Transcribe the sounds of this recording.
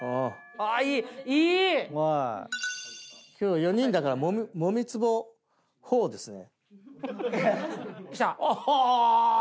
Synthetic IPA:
o | aiːiːa | kʲʰoːjo̞ɲ̟ĩnd̪akaɾamomʲmomʲit͡sɨbo | hoːd̪e̞sɨne̞̰ | t̪a

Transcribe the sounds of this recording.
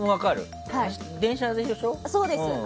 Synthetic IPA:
moβakaɾɯ̰ | ha | d̪ẽ̞ɰ̃ɕad̪eɕoɕosoːd̪es

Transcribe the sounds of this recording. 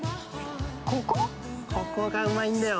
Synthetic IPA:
koko | kʰokːokaɯmaĩnd̪ajo

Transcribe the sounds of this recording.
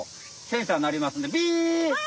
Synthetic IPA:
sẽɰ̃sanaɾʲimasɨ̃nd̪ebʲi

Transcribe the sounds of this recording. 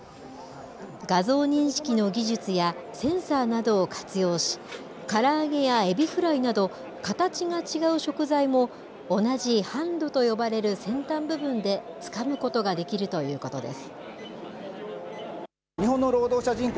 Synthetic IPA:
ɡazo̞ːɲ̟ĩɰ̃ɕi̥kʲino̞ɡʲiʑɨt͡sɨjasẽ̞ɰ̃saːnad̪o̞ːkʰḁt͡sɨjo̞ːɕi̥ | kaɾaːɡe̞jae̞bʲiɸɯ̟ɾainad̪o̞ | kat̪at͡ɕiŋat͡ɕiɡaɯ̟ɕo̞kɯ̟zaimo̞ː | naʑihãnd̪o̞t̪o̞jo̞baɾe̞ɾɯ̟sẽ̞nt̪ãmbɯ̟bɯ̟̃nd̪e̞t͡sɨ̥kamɯ̟ko̞t̪o̞ɡad̪e̞kʲiɾɯ̟t̪o̞jɯ̟ːko̞t̪o̞d̪e̞̰sɨ̥ | ɲiɦõ̞nːo̞ɾo̞ːd̪o̞ːɕaʑĩŋk

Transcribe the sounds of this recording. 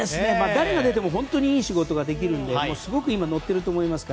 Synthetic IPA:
esɨne̞maːd̪aɾe̞ɡad̪e̞t̪e̞mo̞ɦõ̞nt̪o̞ɲ̟iiːɕiɡo̞t̪o̞ɡad̪e̞k̬ʲiɾɯ̟̃nd̪emo̞ːsɨɡo̞kɯ̟imano̞t̪ːe̞ɾɯ̟t̪o̞ːmo̞imasɨ̥ka

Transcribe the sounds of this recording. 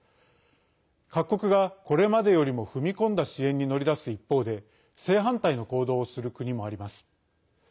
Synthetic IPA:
kakːo̞kɯ̟ɡako̞ɾe̞mad̪e̞jo̞ɾʲimo̞ɸɯ̟mʲikõ̞nd̪aɕiẽ̞ɲ̟ːino̞ɾʲid̪asɨipːo̞ːd̪e̞ | se̞ːɦãnt̪aino̞ko̞ːd̪o̞ːsɨɾɯ̟kɯ̟ɲ̟imo̞aɾʲimasɨ̥

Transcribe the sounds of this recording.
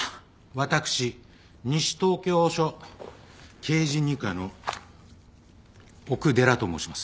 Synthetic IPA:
βat̪akɯ̟̥ɕi | ɲ̟iɕi̥t̪o̞ːkʲo̞ːɕo̞ | kʰe̞ːʑiɲ̟ikano̞ | okɯ̟d̪e̞ɾat̪o̞mo̞̰ːɕimasɨ̥

